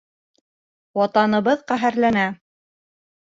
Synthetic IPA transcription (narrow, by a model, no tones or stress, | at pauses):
wɑt̪ɑnɤ̆βɤðqæɦæɾlænæ